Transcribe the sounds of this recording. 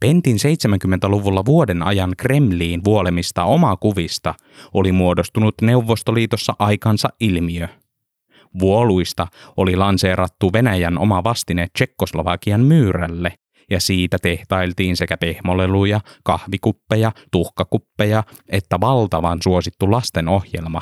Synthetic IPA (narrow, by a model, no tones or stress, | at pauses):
pent̪inse̞jt̪semæŋkymːent̪æluʋulːɑʋuodenɑ̰jɑŋkre̞mliːnʋuole̞mist̪ɑo̞mɑkuʋist̪ɑ | olimuodo̞st̪unut̪ne̞uʋːo̞st̪oliːt̪o̞sːɑʔɑjkɑnsɑʔʔilmiø | ʋuoluist̪ɑolilɑnseːɾɑt̪ːuʋe̞næjæno̞̰mɑʋɑst̪inett͡ʃe̞kːoslo̞ʋɑkiɑmmyːɾælːe | jɑsiːt̪æt̪e̞ht̪ɑjlt̪iːnse̞kæpe̞hmo̞lelujɑkɑhʋikupːejɑt̪uhkɑkupːejɑe̞t̪ːæʋɑlt̪ɑʋɑnsuo̞sit̪ːulɑst̪e̞no̞hjḛlmɑ